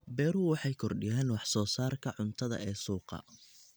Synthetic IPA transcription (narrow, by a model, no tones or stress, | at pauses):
bɛːɾuwɑħɑjkʰɔrɖɪjaːnwɑħsɔːsaːrkʰɐʕʊnt̪ʰɐðɐ̰ʔɛːsuːqɑ̰